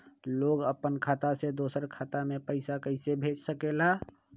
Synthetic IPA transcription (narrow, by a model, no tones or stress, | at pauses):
loɡəpːənkʰat̪ased̪osəɾkʰat̪amepəɪsakəɪsebʱed͡ʒsəkela